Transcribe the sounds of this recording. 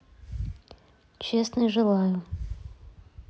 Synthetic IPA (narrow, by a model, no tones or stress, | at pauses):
t͡ɕesnɨʐɨlˠajʊ